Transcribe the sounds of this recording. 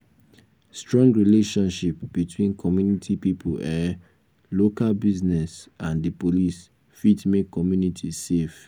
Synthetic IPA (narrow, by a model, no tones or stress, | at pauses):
stɹɔ̃ŋɡɹileʃɔ̃nʃipbitwĩnkʰɔmjunitʰipipʰulɛ | lokalbiznɛsãndipolis | fitmekːɔmjunitʰisef